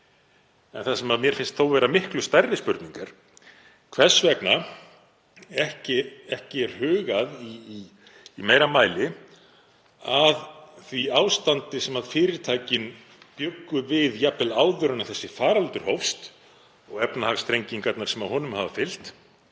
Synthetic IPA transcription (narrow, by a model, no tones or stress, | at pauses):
ɛ̰nθasɛmaðmjɛɾ̥fɪnst̪θowvɛːɾamɪhklʏst̪ajrːɪspʏɾt̪niŋkaɾ̥ | kʰvɛ̥svɛkna | ɛhcɪɛhcɪɛɾ̥hʏːɣaðiː | mejɾamaːjlɪ | aðθviaːwst̪ant̪ɪsɛmaðfɪːɾɪɾt̪ʰaːjcɪn | pjʏkːʏvɪðjapɛlaːwðʏɾʏnaθɛsːɪfaːɾalt̪ʏɾ̥howfst̪ | ɔɣɛpnahaɣst̪ɾejɲciŋkap̪̚naɾsɛmaɦɔːnʏmhaːvafɪl̥t̪